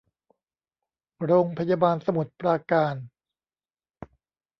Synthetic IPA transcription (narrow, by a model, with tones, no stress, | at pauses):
ɾoː˧ŋpʰa˧jaː˧baː˧nsa˧mu˨˩˦t̪̚pɾaː˧kaː˧n